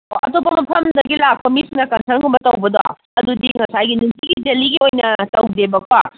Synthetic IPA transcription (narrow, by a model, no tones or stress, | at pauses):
ɐ̰topɐmɐpʰɐmd̪ɐɡilak̚pɐmisnɐkɐnsʰɐnkumbɐtɐwbɐd̪oa̰ | ɐd̪udiŋɐsajɡinutiɡid͡ʒɐliɡiojnɐtɐwdebɐkʰa